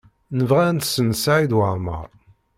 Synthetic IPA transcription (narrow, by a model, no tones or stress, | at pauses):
nəvʁænt̪sənsaʕid̪wəʁˤmə̰